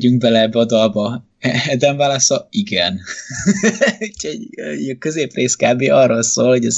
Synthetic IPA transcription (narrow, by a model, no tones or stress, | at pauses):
ɟyŋk̚bɛlɛɛbːɛɒd̪ɒlbɒ | ɛɛd̪ɛɱvaːlɒsɒiɡɛn | ucʰɛɒkøzeːpreːskaːbeːʔɒrːoːlsoːlhoɟɛz